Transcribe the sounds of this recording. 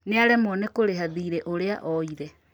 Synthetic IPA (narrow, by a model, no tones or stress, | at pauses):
neaɾɛmɔnekoɾeɦaðiːɾɛʔoɾeaʔɔiɾɛ